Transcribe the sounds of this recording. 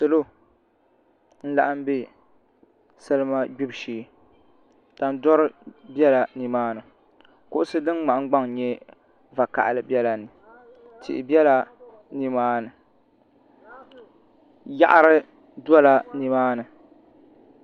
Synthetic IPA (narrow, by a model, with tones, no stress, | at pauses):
sɨ˨lo˦ | n̩˦la˨ʔa˦m˦be˦ | sɨ˦lɨ˦ma˦ɡ͡bu˦bʃiː˦ | ta˨n˦dɔ˦ɾɨ˦bɛ˦la˨ni˦maː˦nɨ˨ | kʊ˦ʔʊ˦sɨ˦dɨ˦nŋ͡ma˨ʔɡ͡ba˦ŋɲɛ˦ | va˨ka̰˨ʔlɨ˦bjɛ˦la˨nɨ˨ | tʰɪ̰˨ʔɪ˨bjɛ˦la˦ | ni˦maː˦nɨ˨ | ja̰˦ʔa˦ɾɨ˦ | dɔ˦la˨ni˨maː˦nɨ˨